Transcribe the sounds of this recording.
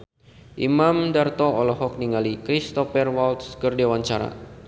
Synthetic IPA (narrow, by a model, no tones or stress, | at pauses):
ʔimamdart̪ɔɔlɔɦɔk̚niŋalikɾist̪ɔfɛrwalt̪skərdewant͡ʃaɾa̰